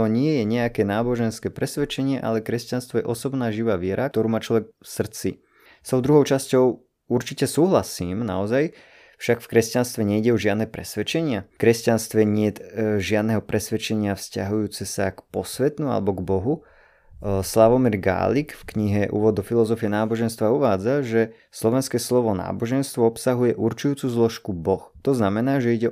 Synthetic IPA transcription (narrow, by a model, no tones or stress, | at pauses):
ɔɲɪɛjɛɲɛakɛːnaːbɔʒɛnskɛːpɾɛsʋɛt͡ʃɛɲɪɛʔa̰lɛkɾɛscanst̪ʋɔjɛʔɔsɔbnaːʒiʋaːʋɪɛɾʔak̚t̪ɔɾuːmaːt͡ʃlɔʋɛkfsr̩t͡sḭ | st̪ɔʊd̪ɾuɦɔʊt͡ʃascɔʊ | uɾt͡ʃicɛsuːɦlasiːmna̰ɔzaj | fʃakfkɾɛscanst̪ʋɛɲɛiɟɛɔʒɪad̪nɛːpɾɛ̰sʋɛt͡ʃɛɲɪakɾɛscanst̪ʋɛɲɪɛʒɪad̪nɛɦɔpɾɛsʋɛt͡ʃɛɲɪafsca̰ɦujuːt͡sɛsakpɔsʋɛt̪nua̰lɛbɔɡbɔɦu | slaʋɔmiɾɡa̰ːlikfkɲiɦɛʔṵːʋɔd̪ɔfilɔzɔfiɛnaːbɔʒɛnst̪ʋauʋaːd͡zaʒɛ | slɔʋɛnskɛːslɔʋɔna̰ːbɔʒɛnst̪ʋɔɔpsaɦujɛʔuɾt͡ʃujuːt͡suːzlɔʃkubɔxt̪ɔznamɛnaːʒɛiɟɛ